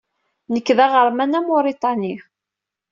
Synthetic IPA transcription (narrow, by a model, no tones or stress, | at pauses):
nəkːðæʁəɾˤmænæmoɾit̪ˤɑni